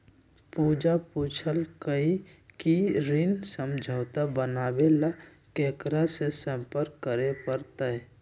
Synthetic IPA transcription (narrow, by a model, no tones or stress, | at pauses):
puːd͡ʒapuːt͡ʃʰəlkəikiɾɪnsə̃md͡ʒʱəːt̪abənaːbela | keːkɾasesə̃mpəɾkːəɾepəɾt̪aɛ